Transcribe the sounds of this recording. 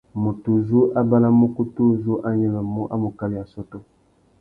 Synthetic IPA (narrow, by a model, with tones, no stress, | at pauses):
mu˨tu˨zu˦ʔa˦ba˦la˦mo˦ku˦tu˦zu˦ʔa˦ɲɛ˦la˨mu˦ʔa˦mu˨ka˦li˨ja˨sɔ˦tɔ˦